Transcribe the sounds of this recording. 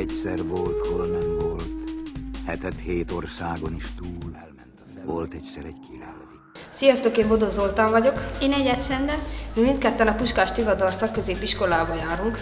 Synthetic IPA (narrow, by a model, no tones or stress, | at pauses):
ɛcsɛrvolt̪holnɛmvolt̪hɛt̪ɛt̪heːt̪orsaːɡoniʃt̪uːl | nt̪ | olt̪ɛcsɛɾɛɟkilɛlvi | sijɒst̪oːkeːmbod̪ozolt̪ɒɱvɒɟo̞keːnɛɟɛt̪sɛnd̪ɛmimint̪kɛt̪ːɛnɒpuʃkaːʃt̪ivɒd̪ɒrsɒkːø̞zeːpiʃko̞laːbɒjaːɾuŋk